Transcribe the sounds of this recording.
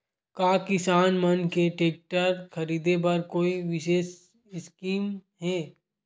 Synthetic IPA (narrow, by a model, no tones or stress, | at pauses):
kaːkɪsaːnmɐnkeʈeːk̚ʈəɾkʰɐɾiːd̪ep̬ɐɾkoːiʋɪʃeːs | ɪskiːmɦɛː